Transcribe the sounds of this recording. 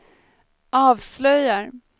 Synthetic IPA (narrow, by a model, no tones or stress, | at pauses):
ʔɑːvslœjːaɾ